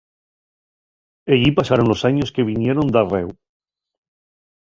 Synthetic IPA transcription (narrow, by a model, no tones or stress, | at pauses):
eʎipasaɾo̞nlo̞saɲo̞skeβ̞inje̞ɾo̞nd̪arew